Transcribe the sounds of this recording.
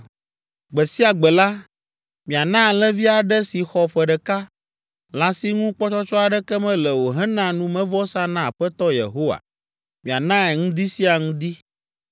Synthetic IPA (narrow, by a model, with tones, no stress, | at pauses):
ɡ͡bɛ˨si˦a˨ɡ͡bɛ˨la˦ | mĩ˨a˨nã˦˨lɛ˦vi˦a˨ɖɛ˦si˨xɔ˨ɸɛ˨ɖɛ˨ka˦ | la˨si˦ŋũ˦k͡pɔ˦t͡ʃɔ˦t͡ʃɔ˦a˨ɖɛ˦kɛ˦mɛ̃˦lɛ˨wo˨ɦɛ˦nã˦nũ˦mɛ̃˦vɔ˦sa˦nã˦˨ɸɛ˦t̪ɔ˦jḛ˨ɦo˦wa̰˨ | mĩ˨a˨nã˦ɛ˨ŋũ˦d̪i˦si˦a˨ŋũ˦d̪i˦